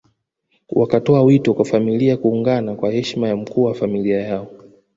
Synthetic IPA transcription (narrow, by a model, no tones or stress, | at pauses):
wʔakatɔawitɔkwafamiliakuːŋɡanakwahɛʃmajam̩kuːwafamiliajaɔ